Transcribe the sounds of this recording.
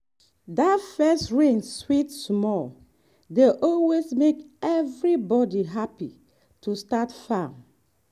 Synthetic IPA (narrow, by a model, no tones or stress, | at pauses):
datfɛstɹĩŋswitsmɔl | deʔɔlwesmekɛvɹibɔdiɦapḭ | tʰustatfãn